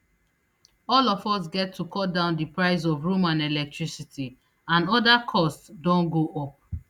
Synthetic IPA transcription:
ɔlɔfɔs̬ɡɛtʰːukʰɔdãʊ̃ndipɹaɪz̬ɔvɹumãnɛlɛk̚tɹisitʰi | ãnɔdakʰɔstsdɔ̃nɡoʔɔp̚

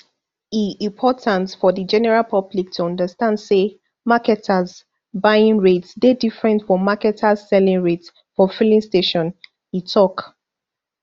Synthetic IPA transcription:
iĩmpʰɔtʰãntfɔðid͡ʒɛnɛɹalpʰʌblik̚tʰuɔ̃ndəstãndse | makɛtʰaz | baɪĩŋɹetsdedifɹɛ̃ntfɹɔ̃mːakɛtʰazsɛlĩŋɹets | fɔfilĩnsteʃɔ̃n | itʰɔk

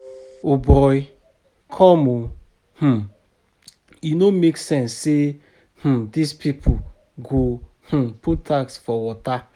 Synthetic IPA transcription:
obɔj | kʰɔ̃mo | h̩ | inomeksɛ̃nsːe | h̩dispipʰu | ɡo | h̩putaksfɔwɔta

